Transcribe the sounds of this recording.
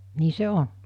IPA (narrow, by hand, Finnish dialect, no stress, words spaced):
niː se on